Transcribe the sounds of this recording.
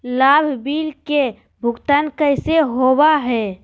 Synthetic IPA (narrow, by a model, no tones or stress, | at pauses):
laːbʱbiːlke | bʱʊɡt̪ankəɪseɦobaɦɛː